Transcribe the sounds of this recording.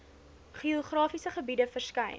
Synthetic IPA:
χioχrɑːfisəχəbidəfərskɐjn

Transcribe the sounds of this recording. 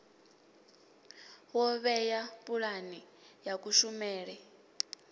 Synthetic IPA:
wɔβɛjapʼuɺani | jakʼuʃumɛːɺɛ

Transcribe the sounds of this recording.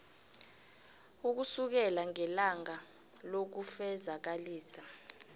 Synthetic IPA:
uk̬usuk̬ɛlaŋɛlaŋa | lok̬ufɛzak̬aliːsa

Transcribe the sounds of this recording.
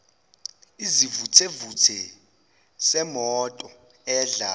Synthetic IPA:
izivutʰevut͡sʰɛ | sɛmɔtʼɔ | ɛɮa

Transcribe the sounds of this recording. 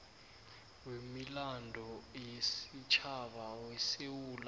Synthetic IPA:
wemilandʱɔjesit͡ʃʰaɓawesewuːla

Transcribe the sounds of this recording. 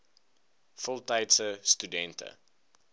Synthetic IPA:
fɔlˠtɐjtsəstydɛntə̰

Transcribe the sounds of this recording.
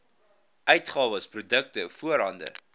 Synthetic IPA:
ʔœɥtχɑːvəsprudək̚təfuəɾɦɐndə̰

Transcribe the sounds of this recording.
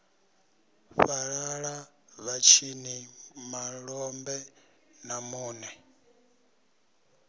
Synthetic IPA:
ɸaɺaɺa | βat͡ʃʰinimaɺɔmbɛ | namuːnɛ

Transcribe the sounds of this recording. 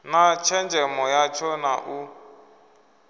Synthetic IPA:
nat͡ʃʰɛnd͡ʒɛmɔjat͡ʃʰɔnaʔu

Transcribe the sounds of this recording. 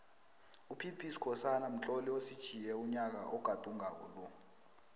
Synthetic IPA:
upʰipʰʼisi̥kʰɔsanam̩t͡ɬʼoliosid̥ʒ̥ʱijɛuɲak̬a̰ʔɔɡ̥ʱad̥ʱuŋʱak̬ṵlɔ

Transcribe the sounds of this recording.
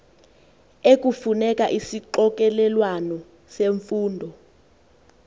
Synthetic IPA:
ek̬ʼufunɛk̬ʼaʔisiǃɔk̬ʼɛlɛlwanɔ | seɱfuːndʱɔ

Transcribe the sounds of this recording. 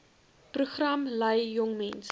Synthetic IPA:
pruχrɐmlɐjːɔŋmɛns

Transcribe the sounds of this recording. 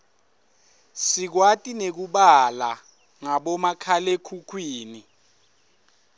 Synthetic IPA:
sik̬watʼinek̬uɓala | ŋaɓɔmakʰalekʰukʰwiːni

